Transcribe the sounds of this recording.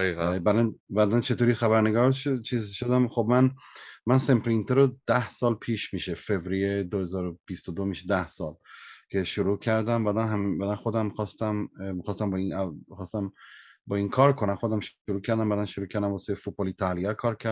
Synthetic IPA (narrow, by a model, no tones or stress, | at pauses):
iɣbæd̪ænbæːd̪ænt͡ʃʰe̞t̪ʰoːɾixæβæɾneɡɒːɾʃt͡ʃʰiːzʃod̪æmxobmænmænsempʰɾint̪ʰeɾod̪̥æhsɒːlpʰiːʃmiːʃefe̞vɾijed̪ohe̞zɒːɾob̥ist̪od̪omiʃed̪æhsɒːlcʰe̞ʃoɾuːcʰæɾd̪æmbæːd̪ænɦæmbæd̪ænxod̪æmxɒːst̪æmmixɒːst̪æmbɒːinæxɒːst̪æmbɒːinkʰɒːɾkʰonæmxo̞d̪æmʃoɾuːcʰæɾd̪æmbæːd̪ænʃoɾuːcʰæɾd̪æmvɒsefut̪̚bɑlit̪ʰæljæɾkʰɒːɾcʰæɾ